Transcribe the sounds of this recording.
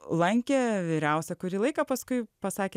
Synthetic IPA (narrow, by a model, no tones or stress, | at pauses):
lˠɐŋʲkʲeːʋʲiːɾʲɛʊsʲɛkʊɾʲiːlˠɐɪkɐpɐskʊɪpɐsɑːkʲe